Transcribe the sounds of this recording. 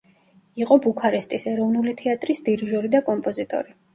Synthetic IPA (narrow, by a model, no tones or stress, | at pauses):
iqʼɔbukʰaɾist̪ʼisɛɾɔvnulit̪ʰɛat̪ʼɾisd̪iɾʒɔɾid̪akʼɔmpʼɔzit̪ʼɔ̰ɾi